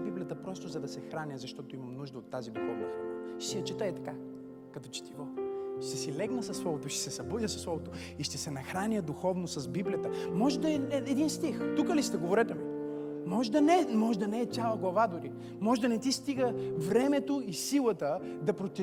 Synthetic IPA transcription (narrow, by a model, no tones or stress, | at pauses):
biblʲijət̪əpɾɔst̪ʊzɐd̪ɐsɛxɾanʲjəzɐʃt̪ɔt̪oimɐmnuʒd̪əot̪ːazid̪uxɔvnɐsʃsijɐt͡ʃɛt̪əɛt̪ɐ̥ka | kɐt̪ɔt͡ʃɛ̥t̪iɡɔʃt̪ɛsilɛɡnəsɐslˠɔvot̪oiʃt̪ɛ̥sɛsɐbud̪ʲjəsɐ̥slˠɔvot̪o | iʃt̪ɛsɛnɐxɾanʲjəd̪uxɔvnosɐzbiblʲijət̪əmɔʒɛd̪ɐɛɛɛd̪inst̪ixt̪ukəlisi̥t̪ɛɡovoɾɛt̪ɛmi | mɔʒɛd̪ɐnɛmɔʒɛd̪ɐnɛːjalˠɐɡlˠɐvad̪ʊɾi | mɔʒɛd̪ɐnɛt̪ist̪iɡəvɾɛmɛt̪oisilˠət̪ə | d̪ɐpɾot̪i